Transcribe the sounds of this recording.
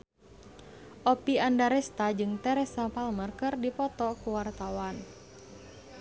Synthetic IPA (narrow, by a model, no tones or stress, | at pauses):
ʔɔpiandaɾɛst̪ad͡ʒɨŋt̪ɛɾɛsapalmərkɨrdipɔt̪ɔkuwart̪awan